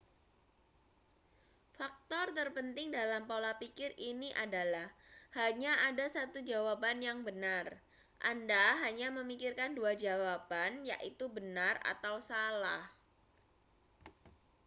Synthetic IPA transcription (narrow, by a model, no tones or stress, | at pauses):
fak̚t̪ɔrt̪ərpənt̪ɪŋdalampolapikɪriniʔadalahhaɲaʔadasat̪ud͡ʒawapanjaŋbənar | ʔa̰ndaɦaɲaməmikirkanduad͡ʒawapanja̰ʔit̪ubənara̰t̪awsala̰h